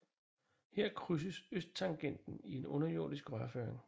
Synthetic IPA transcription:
heɐ̰kʰʁys̬əsøsd̥̚t͡sʰɑ̈ŋɡ̥en̰d̥n̩ie̝nɔ̽nɐjo̝ːd̥isɡ̥ʁɶɐføːɐeŋ

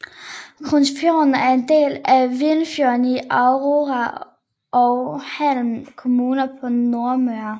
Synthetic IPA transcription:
kʰonsfjo̰nn̩æɐe̝nd̥e̝̰ːlæʋenfjoɐniʔɑʊʁoʁɑ | ʔɒʊhæl̰m̩kʰo̝muːnɐpʰɒ̽no̝ɐmøɐ

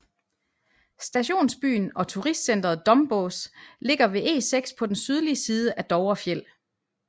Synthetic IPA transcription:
sd̥æɕo̝̰ːnsb̥y̰ːnɒ̽t͡sʰuʁisd̥sen̰d̥ʁɐð̩ˠd̥ɒ̽mb̥osle̝ɡ̥ɐʋe̝ʔe̝̰ːseɡ̥spʰɒ̽d̥ensyð̞ˠliəsiːð̞ˠəʔæd̥ɒʊɐfjel̰

